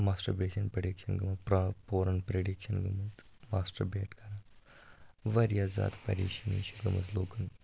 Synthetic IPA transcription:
maːsʈɐɾbeːʃɐnpɾeɖikʃɐnɡɐmɐpɾɐpoːɾɐnpɾeɖikʃɐnɡɐmɐt̪ | maːsʈɐɾbeːʈkɐɾaː | ʋɐɾjaːza̰ːd̪pɐ̰ɾḭːʃɐniːʃɐɡɐmɐzloːkɐn

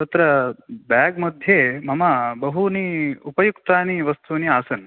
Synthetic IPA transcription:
t̪ɐt̪ɾɐbaɡmɐd̪ʱjemɐmɐbɐɦuniupɐjukt̪aːniʋɐst̪ʰuːniaːsɐn

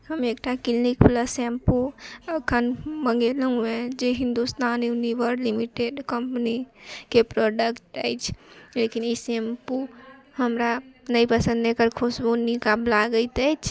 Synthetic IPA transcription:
həmekʈakilnikpləsempuəkʰənməŋɡeləŋɡmed͡ʒeɦĩnd̪ust̪aniuniʋəɾlimiʈeɖkəmpnikepɾɔɖəkʈə̰jt͡ʃʰlekinisempu | həmɾanəjpəsə̃nd̪ekəɾkʰosbonikablaɡəjt̪əjt͡ʃʰ

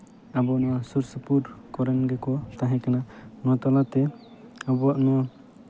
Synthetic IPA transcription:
abɔnɔwasuɾsəpuɾkɔɾɛnɡɛkɔt̪aɦɛ̃kananɔt̪ɔlat̪ɛ | abɔaʔnɔ

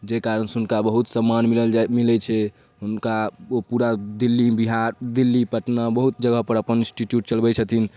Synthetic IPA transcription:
d͡ʒekaɾənsɦunkabəɦut̪səmːanmiləld͡ʒmilɛt͡ʃʰɛ | ɦunkaopuɾad̪ilːibiɦaɾd̪ilːipəʈnabəɦut̪̚d͡ʒəɡəɦpəɾəpənĩsʈiʈjuʈ̚t͡ʃəlbɛt͡ʃʰət̪ʰin

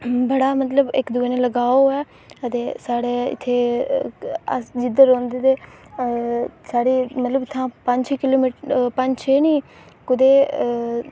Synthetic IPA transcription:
bəɽaːmət̪ləbɪkd̪ʊeneːləɡaːoːɛː | ət̪eːsaːɽeːɪ̰t̪ʰːeː | ə̰sd͡ʒɪd̪əɾõːnd̪eːt̪eː | saːɽiːmət̪ləbɪt̪ʰːãːpəɲt͡ʃːkɪloːmiːʈpəɲd͡ʒt͡ʃʰeːnĩː | kʊd̪eː

